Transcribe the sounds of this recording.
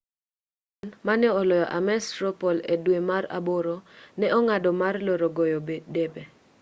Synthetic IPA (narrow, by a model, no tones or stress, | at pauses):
nmanɪɔlɔjɔʔamɛstɾopɔledwemaɾa̰boɾonɛʔɔŋadɔmarloɾoɡojobedebe